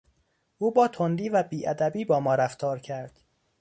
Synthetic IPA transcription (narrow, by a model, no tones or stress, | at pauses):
ʔuːbɒːt̪ʰond̪iːvæbiːʔæd̪æbiːbɒːmɒːɾæft̪ʰɒːɾcʰæɾd̪̥